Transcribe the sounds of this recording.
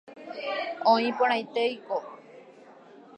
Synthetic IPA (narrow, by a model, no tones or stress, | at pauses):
õĩpoɽ̃ãjt̪ejko